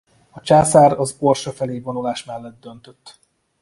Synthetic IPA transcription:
ɒt͡ʃaːsaːɾɒzorʃɒfɛleːvonulaːʃmɛlːɛd̪̚d̪ø̞nt̪øt̪ː

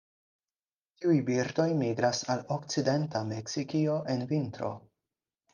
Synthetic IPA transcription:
tiujbiɾdo̞jmiɡɾasalo̞kt͡side̞ntame̞ksikio̞ʔe̞nvintɾo̞̰

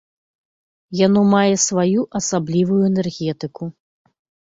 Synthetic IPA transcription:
janɔmajɛsvajuʔɐsablʲivujuɛnɛrɣʲɛt̪ɨku

